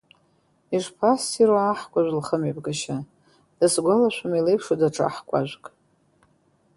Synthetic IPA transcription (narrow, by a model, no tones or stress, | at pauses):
iʐpʰasːiɾoaħkʷʼaʒʷlχəmepʼɡaʃa | d̥asɡʷalaʃʷᶣamilejpʰʂodaʈ͡ʂʰa̰ħkʷʼa̰ʒʷkʼ